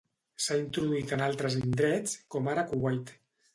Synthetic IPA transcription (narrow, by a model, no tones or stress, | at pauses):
saint̪ɾuðuit̪ənalˠt̪ɾəzind̪ɾɛt͡skɔmaɾakuɣwajt̪